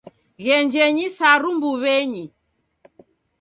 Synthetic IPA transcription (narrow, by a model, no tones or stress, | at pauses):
ɣɛɲd͡ʒɛɲisaɾumbuβɛɲi